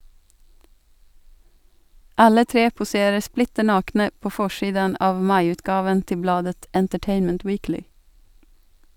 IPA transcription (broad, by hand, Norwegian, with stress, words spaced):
ˈɑlə ˈtɾeː pʊˈseːɾə ˈsplɪtə ˈnɑːknə ˈpoː ˈfɔʃiːdən ˈɑːʋ ˈmɑɪˌʉːtɡɑːʋən ˈtɪ ˈblɑːdət ɛntəˈʈeɪnmənt ˈwiːklɪ